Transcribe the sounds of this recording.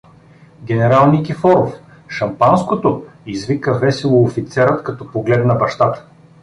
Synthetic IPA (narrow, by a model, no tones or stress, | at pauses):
ɡʲɛnɛɾalˠnikifɔɾof | ʃɐmpanskot̪oizvikəvɛsɛlˠoːfit̪sɛɾət̪kɐt̪ɔpoɡlɛd̪nɐbɐʃt̪at̪ə̥